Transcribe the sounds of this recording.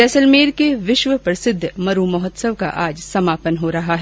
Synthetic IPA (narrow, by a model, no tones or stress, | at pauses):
ɛːsəlmeːɾkeʋɪʃʋəpɾɐsɪd̪ʱːmɐɾumɐɦɔt̪səʋka̰ʔaːd͡ʒsɐmaːpənɦoɾɐɦaɦɛː